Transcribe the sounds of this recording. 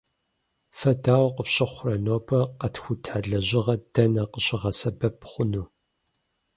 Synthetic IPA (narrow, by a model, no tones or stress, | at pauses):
fɐdaːwqəɕʼɪχʷʊrɐnoːpʰɐqɐtxʷʊtʰaːɮɐʑɪʁɐd̥ɐnɐqəɕʼɪʁɐsɐbɐpχʷʊnuː